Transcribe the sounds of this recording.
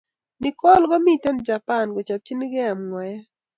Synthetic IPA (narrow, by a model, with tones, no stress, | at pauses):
nɪ˨kɔ˦lɡɔ˦mi˦˨tɛ˦nd͡ʒa˨pa˦˨nɡɔ˨t͡ʃa˨p̚t͡ʃi˦nɪ˦ɡɛ˦a˨mŋwa˨ja˦